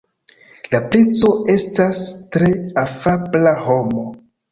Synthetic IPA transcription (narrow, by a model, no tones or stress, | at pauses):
laplet͡so̞e̞stastɾe̞afablaho̞mo̞